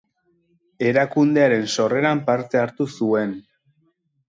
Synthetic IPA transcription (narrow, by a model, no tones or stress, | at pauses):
e̞ɾakund̪e̞aɾe̞nso̞re̞ɾampaɾt̪e̞aɾt̪usue̞n